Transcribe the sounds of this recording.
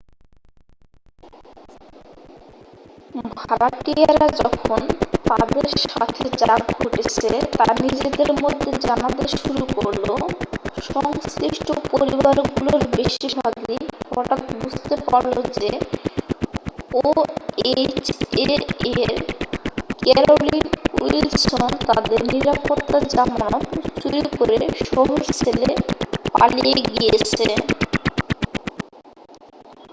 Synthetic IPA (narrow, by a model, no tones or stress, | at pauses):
bʱaɾaiaɾad͡ʑɔkʰont̪ad̪eɾʃa̰t̪ʰed͡ʑaɡɡʱoʈet͡ɕʰet̪anid͡ʑed̪eɾmod̪ʱːed͡ʑanad̪eʃuɾukoɾloʃɔŋskɾiʃʈopoɾibaɾɡuloɾbeʃibʱaɡifɔʈat̪bud͡ʑt̪epaɾlod͡ʑe | oet͡ɕeeɾ | kɛɾolinuilsont̪ad̪eɾniɾapot̪ːad͡ʑamnapɾot͡ɕuɾikoɾeʃɔɦoɾt͡ɕʰelepa̰lijeɡijet͡ɕʰe